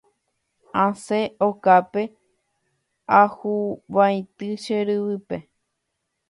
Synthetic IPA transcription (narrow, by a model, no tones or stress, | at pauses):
ãseokape | ahuʋaj̃t̪ɨʃeɾɨʋɨpe